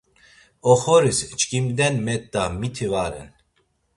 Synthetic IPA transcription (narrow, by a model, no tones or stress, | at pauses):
ɔχɔɾist͡ʃʼkʼimd̪ɛnmɛt̪ːamit̪ʰivaɾɛ̰n